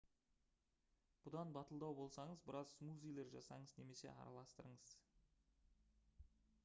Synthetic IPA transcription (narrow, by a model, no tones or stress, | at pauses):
b̥ʊd̪ɑnbɑt̪əlˠd̪ɑwbo̞lˠsɑɴəzbɪɾɑzsmuzejlʲˠeɾʒɑsɑ̰ɴəzne̞me̞se̞̰ɑ̰ɾɑ̰lˠɑst̪əɾəɴəz̥